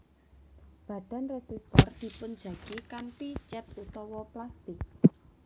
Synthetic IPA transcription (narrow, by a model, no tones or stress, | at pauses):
b̥ä̤ɖ̥a̤nresist̪ɔrd̪̥i̤pʊn̥d͡ʒä̤ɡ̥ikantit͡ʃɛp̪̚ut̪ɔwɔplast̪ɪk̚